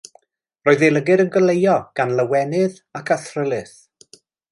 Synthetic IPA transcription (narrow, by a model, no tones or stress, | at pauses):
roːɨðeləɡɪɾənɡəlejɔɡ̥anlˠəwɛnɪð | akʰaθrəlˠɨθ